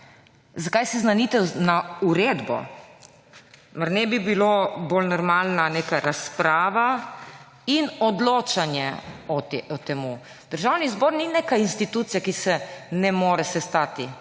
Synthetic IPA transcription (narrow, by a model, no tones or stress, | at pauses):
zakajsɛznanit̪ɛnauɾed̪bɔ̰ | maɾnɛbibiloːbolnɔɾmalnaneːkaɾaspɾaːʋa | inɔd̪loːt͡ʃanjɛɔɔt̪emu | d̪əɾʒawnizbɔːɾnineːkajinst̪it̪uːt̪sijakisɛnɛmoːɾɛsɛst̪aːt̪i